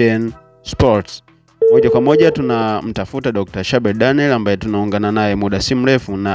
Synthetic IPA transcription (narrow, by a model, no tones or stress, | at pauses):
ɛn | spɔts | mɔʄakwamɔʄatunam̩tafutaɗɔk̚taʃabɛdanɛlambajɛtunauŋɡananajɛmuɗasim̩lɛfuna